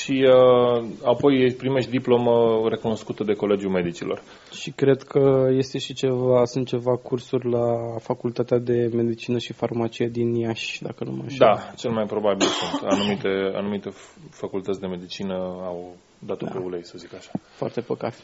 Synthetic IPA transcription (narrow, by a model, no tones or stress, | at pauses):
ʃiəapo̞jepɾimeʃt̪̚d̪iplo̞məre̞kuno̞skut̪əd̪e̞ko̞le̞d͡ʒjume̞d̪it͡ʃilo̞̰r | ʃikɾe̞d̪kʰəje̞st̪e̞ʃit͡ʃe̞vasunt̪̚t͡ʃe̞vakursurʲlafakult̪at̪ead̪e̞me̞d̪it͡ʃinəʃifarmat͡ʃijed̪injaʃʲd̪a̰kənṵma̰ʃd̪at͡ʃe̞lmajpɾo̞babilsunt̪a̰numit̪e̞a̰numit̪e̞fakult̪ət̪ʲd̪e̞me̞d̪it͡ʃinəaw | d̪at̪opeulejsəzikaʃḁfoa̰rt̪e̞pəkat̪